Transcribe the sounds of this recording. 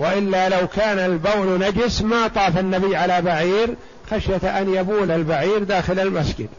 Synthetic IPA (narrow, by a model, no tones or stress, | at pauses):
wɪʔɪlːalawkaːnalbawlnad͡ʒɪsmat̪ˤɑːfanːabɪjːʕalabaʕiːɾ | xaʃjat̪ʔanjabuːlalbaʕiːɾd̪aːxɪlalmasd͡ʒɪ̰d̪